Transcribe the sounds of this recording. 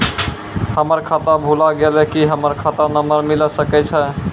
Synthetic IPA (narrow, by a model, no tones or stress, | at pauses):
həməɾkʰat̪abʱulaɡelɛkiɦəməɾkʰat̪anəməɾmiləsəkɛt͡ʃʰɛ